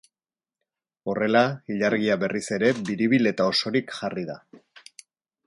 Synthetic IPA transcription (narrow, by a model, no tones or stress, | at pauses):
o̞re̞laiʎaɾɣiaβe̞rise̞ɾe̞biɾiβile̞t̪ao̞so̞ɾikʝariða